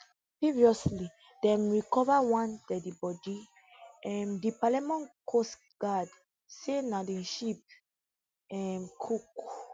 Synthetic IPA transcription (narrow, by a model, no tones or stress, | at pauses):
pɹiviɔsli | dɛ̃mɹikɔvawãndɛdibɔdi | ɛ̃ndipalɛmɔ̃nkʰos | ɡ̥ad | senadɛ̃ʃip̚ | ɛmkʰuk